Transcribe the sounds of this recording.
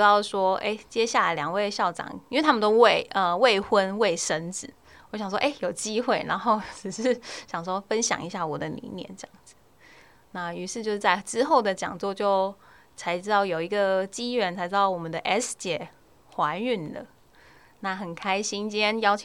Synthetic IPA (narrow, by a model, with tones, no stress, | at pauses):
ɑ˥˩ʊʂwɔ˥ḛ˥˩ɪt͡ɕjɛ˦ɕja˥˩la˧˩ljɑ˨˩ŋwe˥˧ɪɕjɑ˥˩ʊʈ͡ʂɑ̰˨˩˦ŋi˥nwe˥˩t̪ʰa˥mə˨t̪o˥ʊwe˥˩ɪʔə˧we˥˩ɪxwə˦nwe˥˩ɪʂə˧˦nt͡sɹ̩˨˦ | wɔ˧˥ɕɑ˨˩ŋʂ̬wɔ̰˥ʔe˥˩ɪjo˨˩ʊt͡ɕi˥xwe˥˩ɪna˧˥nxo˥˩ʊʈ͡ʂɻ̩˨˩ʂɻ̩˥˨ɕjɑ˨˩ŋʂwɔ˥fə˦nɕjɑ̰˨ŋi˧˦ɕja˥˩wɔ˨˩d̪ə˦nḭ˧˦njɛ̰˧˦nʈ͡ʂə˥jɑ˥˩ŋd͡zɹ̩˨˩ | na˥˩y˧˥ʂɻ̩˥˧t͡ɕjo˥˧ʊʂ̩˥˧t͡sa˥˩ɪʈ͡ʂɻ̩˥xo˥˩ʊd̪ə˩t͡ɕjɑ̰˨˩ŋt͡swɔ˥˧t͡ɕjo˥˩ʊ | t͡sʰa˧˥ɪʈ͡ʂɻ̩˥t̪ɑ˥˩ʊjo˨˩ʊi˧˥ɡə˨t͡ɕi˥ɥɛ˧˥nt͡sʰɪʈ͡ʂɻ̩˥˧t̪ɑ˥˩wɔ˨˩mə˦nd̪ə˧ʔɛ˥˩st͡ɕɛ˨˩ | xwa˧˥ny˥˩nlə̰˩ | na˥˩xə˨˩nkʰa˥ɪɕi˥nt͡ɕjɛ˥˦njɑ˥ʊt͡ɕʰ